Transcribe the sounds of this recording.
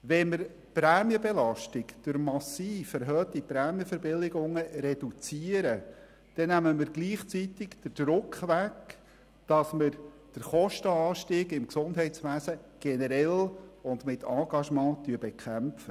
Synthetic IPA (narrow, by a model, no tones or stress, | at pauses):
ʋɛnmɪɾ | pɾæːmjəbelɑʃtɪkd̥ʊɾmɑsiːfæɾɦœːt̪ipɾæːmjəfəɾbɪlːɪɡʊŋəɾɛd̥ut͡siəɾə | d̥ɛnæməmɪɾɡliːχt͡sitɪkd̥əd̥ɾʊkχʋæk | d̥ɑsmɪɾ | d̥əɾχɔʃtəɑːʃtiːɡɪmksʊndɦɛɪtsʋæːsəɡ̥ɛnəɾɛlʊndmɪtʰɑːɡ̥ɑʃmɑ̃ːt̪yəbɛkʰæmpfə